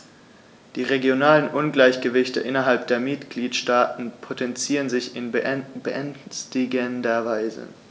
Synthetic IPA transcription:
d̥iːʁeɡjonaːlənʔʊnɡlaɪçɡ̥əvɪçtə̰ʔɪnɐɦalp̚d̥eːɐmɪtɡ̥liːtʃtaːtn̩pʰotʰɛnt͡siːʁənzɪçɪnbəʔɛnstɪɡəndɐvaɪzə̰

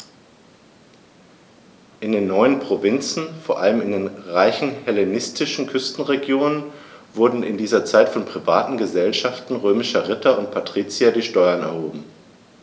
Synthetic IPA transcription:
ʔɪndeːnːɔʏənpʁ̥ovɪnt͡sn̩foːɐʔaləmɪndeːnʁaɪçn̩hɛlenɪstʰɪʃn̩kʰʏstn̩ʁeɡjoːnənvʊɐdn̩ɪ̰ndiːzɐt͡saɪtfɔnpʁ̥iva̰ːtn̩ɡəzɛlʃaftn̩ʁøːmɪʃɐʁɪtʰɐʊnt̚pʰatʁ̥iːt͡siadiːʃtɔʏɐnɛ̰ɐhoːbm̩

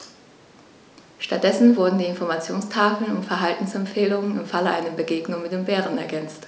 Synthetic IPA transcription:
ʃtat̚d̥ɛsn̩vʊɐdn̩diːɪnfɔɐmat͡sjoːnstʰaːfl̩nʊntfɛɐɦaltn̩sɛmpfeːlʊŋənɪmfaləʔa̰ɪnəbəɡeːɡnʊŋmɪt̚d̥eːmbɛːʁənɛ̰ɐɡɛnt͡st

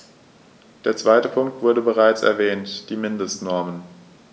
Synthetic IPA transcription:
d̥eːɐt͡sv̥aɪtəpʰʊŋk̚tv̥ʊɐdəbəʁ̞aɪt͡sɛ̰ɐvɛːntd̥iːmɪndəstnɔɐmən

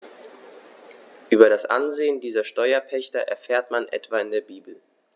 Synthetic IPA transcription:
ʔyːbɐɾasʔa̰nzeːəndiːzɐʃtɔʏɐpʰɛçtɐ̰ʔɛ̰ɐfɛːɐtmanʔɛ̰tv̥aːɪndeːɐbiːbl̩

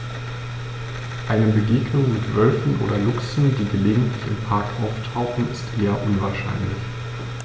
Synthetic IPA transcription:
ʔaɪnəbəɡeːɡnʊŋmɪtv̥œlfn̩ʔo̰ːdɐlʊksn̩diːɡəleːɡŋ̩tʰlɪçɪ̰mpʰaɐkʔaʊftʰaʊxn̩ɪstʔeːɐʔʊnvaːɐʃa̰ɪnlɪ̰ç

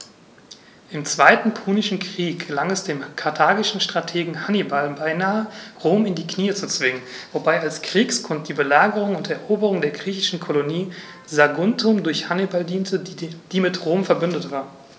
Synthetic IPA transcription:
ʔɪmt͡sv̥aɪtn̩pʰuːnɪʃn̩kʁ̥iːk̚ɡ̥əlaŋɛsd̥eːmkʰaɐtʰaːɡɪʃn̩ʃtʁ̥atʰeːɡŋ̩hanibalbaɪnaːəʁoːmɪndiːkʰniːət͡sut͡sv̥ɪŋən | vobaɪalskʁ̥iːkskʰʊnt̚d̥iːbəlaːɡəʁʊŋʊntɛɐʔoːbəʁʊŋdeːɐɡʁiːçɪʃn̩kʰoloniː | zaɡʊntʰʊmdʊɐçhanibaldiːntʰəd̥iːmɪtʁoːmfɛɐbʏndətv̥aːɐ

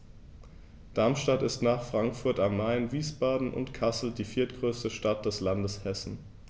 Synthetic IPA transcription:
d̥aɐmʃtatɪstnaːχfʁ̥aŋkfʊɐtamːaɪnviːsb̥aːdn̩ʔʊ̰ntkʰasl̩d̥iːfiːɐtɡ̥ʁøːstəʃtat̚d̥ɛslandəshɛsn̩

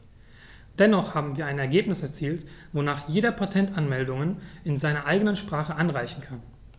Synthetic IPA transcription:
d̥ɛnɔχhaːbm̩viːɐaɪnɛɐɡeːpnɪsɛɐt͡siːltvonaːχjeːdɐpʰatʰɛntanmɛldʊŋənɪnzaɪnɐʔaɪɡənənʃpʁ̥aːχəʔanʁaɪçn̩kʰan

